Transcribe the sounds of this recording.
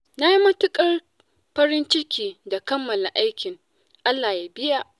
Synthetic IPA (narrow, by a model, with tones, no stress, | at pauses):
na˦ji˦mɐ˦tʊ˦kʼɐ˦r | ɸɐ˦ɾɪ˦nt͡ʃɪ˦kʲiː˨da˨kɐ˦mːɐ˨la˨ʔa˦jkʲɪ˨ŋ | ʔa˦lːaː˨ja˨˦bɪ˦ja˦ʔ